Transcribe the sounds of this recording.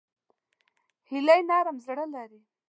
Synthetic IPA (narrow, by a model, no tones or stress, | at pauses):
hilajnɑɾamzɽəlaɾi